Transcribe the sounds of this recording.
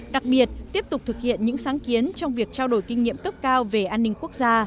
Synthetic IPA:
ɗa˨˩k̚ɓi˨˩ət̚t̪i˦˥əp̚t̪ʊ˨˩k͡p̚t̪ʰɨ˨˩k̚hḭ˧˨ənɲɨ̰˧˥ŋsaː˨˦ŋki˨˦ənt͡ɕɔ˧wŋ͡mvi˨˩ək̚t͡ɕaː˧wɗo˧˩jkï˧ŋ̟ːḭ˧˨əmkə˦˥p̚kaː˧wve˨˩ʔaː˧nːï˧ŋ̟ku˦˥ək̚zaː˧

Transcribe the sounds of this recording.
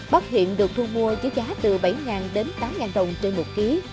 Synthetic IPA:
ɓa˦˥t̚hḭ˧˨ənɗɨ˨˩ək̚t̪ʰɨ˧nmu˧əzə˨˦jzaː˨˦t̪ɨ˨˩ɓa˧˩jŋaː˨˩nɗe˨˦nt̪aː˨˦mŋaː˨˩nɗə˨˩wŋ͡mt͡ɕe˧mo˨˩t̚ki˨˦

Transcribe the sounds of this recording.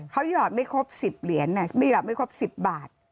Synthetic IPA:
kʰa˦˥wjɔː˨˩t̪̚ma˥˩jkʰo˦˥p̚si˨˩p̚li˨˩˦ənːa˧˩ma˥˩jɔː˨˩t̪̚ma˥˩jkʰo˦˥p̚si˨˩p̚baː˨˩t̪̚

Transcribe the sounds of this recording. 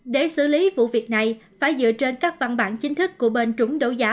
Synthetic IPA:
ɗe˧˩sɨ̰˧˩li˨˦vṵ˧˨vi˨˩ək̚na˨˩jfaː˧˩jzɨ̰˧˨ət͡ɕe˧nkaː˦˥k̚va̰˧˩nɓa̰ː˧˨nt͡ɕï˨˦ŋ̟t̪ʰɨ˦˥kːu˧˩əɓe˧˩nt͡ɕʊ˨˦ŋ͡mɗo̰˧˦zaː˨˦

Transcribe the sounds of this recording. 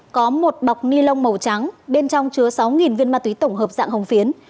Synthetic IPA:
kɔ˨˦mo˨˩t̚ɓa˨˩wk͡p̚ni˧lə˧wŋ͡mmə˨˩wt͡ɕa˨˦ŋɓe˧nt͡ɕɔ˧wŋ͡mt͡ɕɨ˧˩əsa˨˦wŋi˨˩nvi˧ənmaː˧t̪wi˨˦t̪ə˧˩wŋ͡mɦəː˨˩p̚za̰ː˧˨ŋɦə˧wŋ͡mfi˨˦ən

